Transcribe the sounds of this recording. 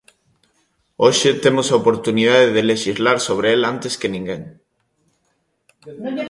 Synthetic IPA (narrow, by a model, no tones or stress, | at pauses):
oʃet̪emosaopoɾt̪unið̞aðeðeleʃizlaɾsoβ̞ɾeelant̪eskenĩŋɡeŋ